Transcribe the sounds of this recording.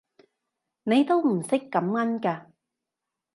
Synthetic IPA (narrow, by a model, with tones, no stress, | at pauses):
ne˨˧jt̪o˥wm̩˨˩sɪ˥kːɐ˨˥mŋɐ˥nkaː˧